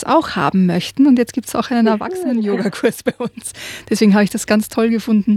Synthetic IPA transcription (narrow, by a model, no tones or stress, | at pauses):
sa̰ʊxha̰ːbm̩mœçtn̩ʊntjɛt͡stɡ̥iːp̚tsa̰ʊxʔaɪnənɛɐva̰ksənənjoːɡakʰʊɐsb̥aɪʔʊnsd̥ɛsv̥eːɡŋ̩ɦaːbəɪçd̥asɡ̥ant͡stʰɔlɡəfʊndn̩